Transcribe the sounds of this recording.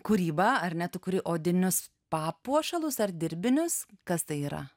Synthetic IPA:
kuɾʲiːbɐɐrnʲɛt̪ʊkʊɾʲɪʔoːd̪ʲɪnʲʊs | pɑːpuɔʃɐlˠʊsɐrd̪ʲɪɾʲbʲɪnʲʊskɐst̪ɐɪiːɾɐ̰

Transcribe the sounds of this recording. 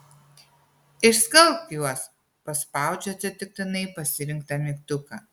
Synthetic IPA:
ɪʃskɐlˠpjuɔs | pɐspɑˑʊd͡ʒʲoːt͡ʃʲɛt̪ʲɪk̚t̪ɪnɐɪpɐsʲɪɾʲɪŋk̚t̪ɐmʲɪkt̪ʊkɐ

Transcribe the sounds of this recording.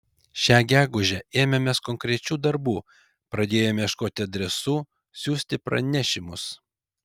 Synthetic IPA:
ʃʲæːɡʲæːɡʊʒʲɛeːmʲɛmʲɛskɔŋʲkɾʲɛt͡ʃʲuːd̪ɐɾbuː | pɾɐd̪ʲeːjoːmʲɛːʃkoːt̪ʲɪɐd̪ʲɾʲɛsuː | sʲuːsʲt̪ʲɪpɾɐ̰nʲæʃʲɪmʊs

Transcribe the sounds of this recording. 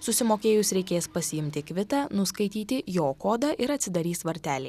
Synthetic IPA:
sʊsʲɪmoːkʲeːjʊsɾʲɛɪkʲeːspɐsʲɪjɪmʲt̪ʲɪkʋʲɪt̪ɑːnʊskɐɪt̪ʲiːt̪ʲɪjoːkoːd̪ɐʔɪɾɐt̪ʲsʲɪd̪ɐɾʲiːsʋɐɾʲt̪ʲæːlʲɛɪ

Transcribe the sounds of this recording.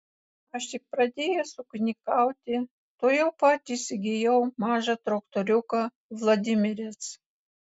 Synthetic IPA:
ɐʃt̪ʲɪk̚pɾɐd̪ʲeːjɛsʊknʲɪkɐˑʊt̪ʲɪ | t̪oːjɛʊpɑːt̪ʲiːsʲɪɡʲejɛʊmɑːʒɑt̪ɾɔkt̪oɾʲʊkɐ | ʋlˠod̪ʲɪmʲɪɾʲɛs

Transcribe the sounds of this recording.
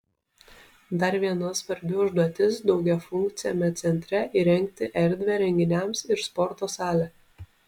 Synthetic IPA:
d̪ɐɾʋʲiɛnɐsʋɐɾʲbʲʊʊʒd̪uɔt̪ʲɪsd̪ɒʊɡʲɛfʊŋʲk̚t̪sʲɪjoːmʲɛt̪sʲɛnʲt̪ʲɾʲɛʔiɾʲɛŋʲk̚t̪ʲɪʔɛɾʲd̪ʲʋʲɛɾʲɛŋʲɡʲɪnʲɛmsɪɾspɔɾt̪oːsɑːlʲɛ

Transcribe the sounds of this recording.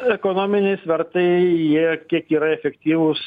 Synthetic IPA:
ɛkoːnoːmʲɪnʲɛɪsʋʲɛɾt̪ɐɪjjiɛkʲiɛkiːɾɐɛfʲɛkt̪ʲiːʋʊs

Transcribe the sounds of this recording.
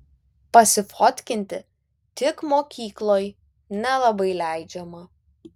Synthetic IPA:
pɐsʲɪfoːt̪ʲkʲɪnʲt̪ʲɪ | t̪ʲɪkmoːkʲiːklˠoːj | nʲɛlˠɐbɐɪlʲæˑɪd͡ʒʲɛmɐ

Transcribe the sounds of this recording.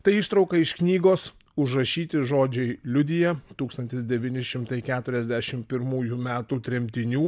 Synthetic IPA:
t̪ɐɪɪʃt̪ɾɐʊkɐɪʃknʲiːɡoːs | ʊʒɾɐʃʲiːt̪ʲɪʒoːd͡ʒʲɛɪlʲʊd̪ʲɪjɛt̪uːkst̪ɐnʲt̪ʲɪsd̪ʲɛʋʲiːnʲɪʃʲɪmt̪ɐɪkʲæːt̪ʊɾʲɛzʲd̪ʲæʃʲɪmpʲɪɾmuːjumʲæːt̪ut̪ʲɾʲɛmʲt̪ʲɪnʲuː

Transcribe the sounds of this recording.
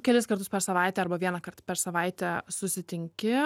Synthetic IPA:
kʲɛlʲɪskɐɾt̪ʊspʲɛɾsɐʋɐɪt̪ʲɛɐɾbɐʋʲiɛnɐkɐrt̪pʲɛɾsɐʋɐɪt̪ʲɛsʊsʲɪt̪ʲɪŋʲkʲɪ

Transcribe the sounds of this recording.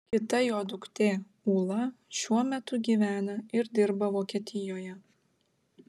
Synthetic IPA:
kʲɪt̪ɐjoːd̪ʊkt̪ʲeː | uːlˠɐʃʲuɔmʲɛt̪ʊɡʲiːʋʲæːnɐɪɾd̪ʲɪɾbɐʋoːkʲiɛt̪ʲɪjoːjɛ

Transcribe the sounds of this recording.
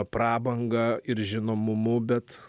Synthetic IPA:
prɑːbɐŋɡɐɪɾʒʲɪnoːmʊmʊbʲɛt̪

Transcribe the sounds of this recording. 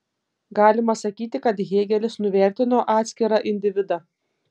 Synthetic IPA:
ɡɑːlʲɪmɐsɐkʲiːt̪ʲɪkɐt̪ɣʲeːɡʲɛlʲɪsnʊʋʲɛɾʲt̪ʲɪnoːʔɑːt̪ʲsʲkʲɪɾɑʔɪnʲd̪ʲɪʋʲɪd̪ɑ

